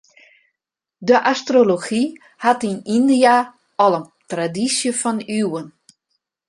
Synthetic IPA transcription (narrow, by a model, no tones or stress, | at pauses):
dəʔastroloxi | hatinindia | ɔlˠən | tradisjəfɔnywən